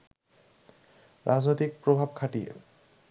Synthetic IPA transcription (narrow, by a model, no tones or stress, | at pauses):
ɾad͡ʑnojt̪ik̚pɾobʱabkʰaʈijḛ